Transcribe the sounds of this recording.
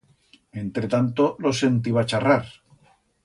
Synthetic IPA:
e̞nt̪ɾe̞t̪ant̪olo̞se̞nt̪iβat͡ʃaraɾ

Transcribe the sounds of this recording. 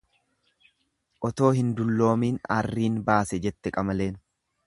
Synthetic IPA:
ʔɔt̪o̞ːɦɪnd̪ʊlːo̞ːmiːna̰rːiːnbaːsɛd͡ʒɛt̪ːɛkʼɐmɐle̞ːn

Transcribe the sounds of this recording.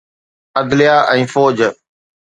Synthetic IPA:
əd̪lɪjaːʔɛ̃ːfoːd͡ʑ

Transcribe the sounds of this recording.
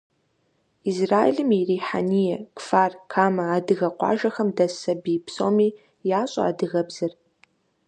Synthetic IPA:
izraːḛɮɨmiriːħa̰niːjɛkʷfaːrkʰaːmɐaːdɨɣɐqʷɑ̰ːʒɐxɐmdɐsɐbiːpso̰ːmiː | jaːɕʼɐ̰a̰ːdɨɣɐbzɐr

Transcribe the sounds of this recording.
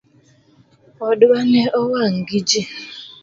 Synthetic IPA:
ɔdʊwaneʔɔwaŋ̩ɡid͡ʒi

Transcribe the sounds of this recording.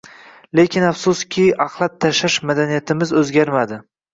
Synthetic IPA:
le̞kʲʰɪnafsʊskʲʰɪɑqlˠat̪ʰːaʃaʃmad̪anijat̪ʰɪmɪzɵzɡʲaɾmad̪ɪ

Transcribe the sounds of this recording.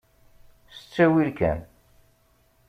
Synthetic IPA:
sə̥t͡sːæwilkæ̰n

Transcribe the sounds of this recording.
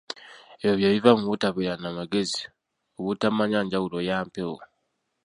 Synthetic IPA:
ejoβjeβivamuβutaβeɾanamaɡe̞zi̥ | oβutamaɲaɲɟawulo̞jaːmpewo̰

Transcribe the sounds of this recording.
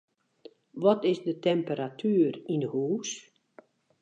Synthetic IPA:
ʋɔtɪzdətɛmpəɾatʰyːrindəhuːs

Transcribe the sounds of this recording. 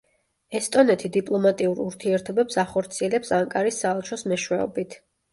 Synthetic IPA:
ɛst̪ʼɔnɛt̪ʰid̪ipʼlˠɔmat̪ʼiuɾuɾt̪ʰiɛɾt̪ʰɔbɛpsaχɔɾt̪sʰiɛlɛpsaŋkʼaɾisːaɛlˠt͡ʃʰɔsmɛʃwɛɔbit̪ʰ

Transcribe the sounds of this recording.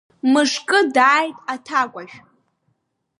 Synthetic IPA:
mɨʂkʼɨdaːjtʼatʰakʷʼaʒᶣ

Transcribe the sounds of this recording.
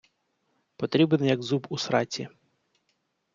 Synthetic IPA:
pɔt̪ɾʲibnɛjɐɡzubusɾɑtʲḭ

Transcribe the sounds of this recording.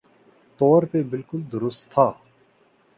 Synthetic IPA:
t̪ɔːɾpebɪlkʊld̪ʊɾʊst̪ʰːaː

